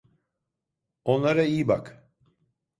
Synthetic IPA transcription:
o̞nlˠaɾaijbak

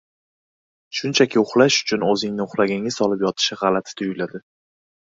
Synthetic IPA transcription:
ʃʊnt͡ʃʰakʲʰɪʊχlaʃʊ̥t͡ʃʰʊnɵzɪŋnɪʊχlaɡʲɪŋɪzɒlɪpjɒt̪ʰɪ̥ʃɪʁɑlat̪ʰɪ̥t̪ʰʊjʊlad̪ɪ

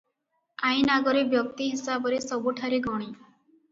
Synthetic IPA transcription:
aĩnaɡɔɾebjɔk̚t̪iɦisabɔɾesɔbuʈʰaɾiɡɔɽ̃i

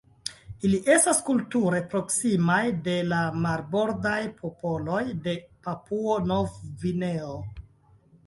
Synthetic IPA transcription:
iliʔe̞staskultuɾe̞pɾo̞ksimajde̞lamaɾbo̞ɾdajpʰo̞pʰo̞lo̞jde̞papuonovvineo

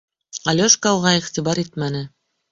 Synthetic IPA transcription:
alʲoʃkɑlˠʁɑiχt̪ibɑɾit̪mænɘ

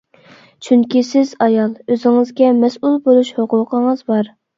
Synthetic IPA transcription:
t͡ʃʰyŋkʲisɪzɑjɑlˠøzɪŋɨzɡʲɛmɛsulˠbolˠuʃhoqʰʊqʰəŋəzbɑɾ

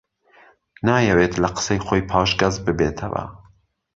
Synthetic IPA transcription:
nɑːjɛweːt̪lɐqə̥sejxoːjpʰɑːʃɡɐzbɨbeːt̪ʰɐ̰vɐ̰

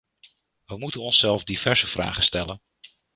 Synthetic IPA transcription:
ʋəmutənɔnsɛlˠvdiv̥ɛɹz̥əv̥ra̰ːχəstɛlən

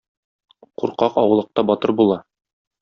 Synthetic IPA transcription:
quɾqɑqɒwɤ̆lˠɤ̆q̚t̪ɑbɒt̪ɤɾbulˠɑ

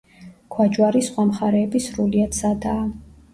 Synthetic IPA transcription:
kʰwad͡ʒwaɾisχwamχaɾɛːbisɾuliat̪sad̪aː

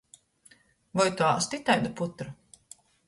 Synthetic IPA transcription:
vɔjt̪uast̪it̪ajd̪aput̪ɾa

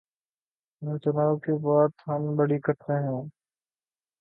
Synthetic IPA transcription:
t͡ʃənaːbkibaːt̪ɦəmbəɽiːkəʈʰɾeːɦũː

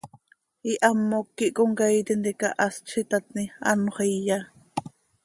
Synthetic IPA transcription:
iʔamːokːiʔkoŋkajt̪ind̪eka̰ʔast͡ʃʰit̪at̪nia̰noχeja

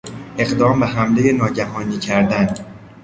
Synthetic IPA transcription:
ʔe̞ɣd̪ɒːmbeɦæmle̞jenɒːɟæɦɒːniːcʰæɾd̪æn

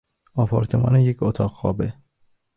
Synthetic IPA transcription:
ɒpʰɒːɾt̪ʰemɒ̰ːnejecʰot̪ʰɒːɣxɒ̰ːbe

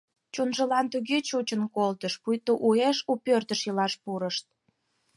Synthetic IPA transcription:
t͡ɕunʒəlɑnt̪uɣet͡ɕut͡ɕənkolt̪əʃpujt̪oʔueʃupørt̪əʃjəlɑʃpuɾəʃt̪̚

